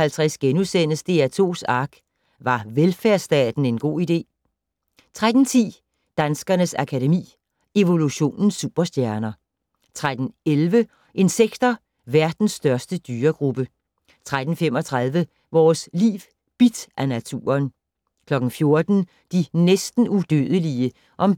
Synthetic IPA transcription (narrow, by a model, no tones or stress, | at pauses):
ælt͡sʰʁasɡ̥enusen̰əsd̥e̝æt͡sʰo̝̰ːsɑ̈ːɡ̥ | ʋɑ̈ʋelfæɐsd̥ɛ̰ːd̥n̩e̝nɡ̥o̝̰ːid̥e̝̰ː | t͡sʰʁad̥n̩t͡sʰḭː | d̥ænsɡ̥ɐnəsækʰæɾemḭː | e̝ʋo̝luɕo̝̰ːnn̩sːṵb̥ɐsd̥jæɐnɐ | t͡sʰʁad̥n̩elʋə | ʔe̝nseɡ̥d̥ɐ | ʋæɐd̥n̩sːd̥ɶɐsd̥əd̥yːɐɡ̥ʁub̥ə | t͡sʰʁad̥n̩femɒ̽t͡sʰʁað̞ˠʋə | ʋɒːslḭːʋ | b̥id̥ʔænæt͡sʰṵːɐn | kʰlɒ̽ɡ̥n̩fjo̝ɐd̥n̩ | d̥inesd̥n̩ud̥øð̞ˠəliə | ʔɒ̽m